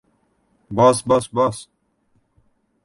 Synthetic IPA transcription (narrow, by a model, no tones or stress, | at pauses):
basbɐsbas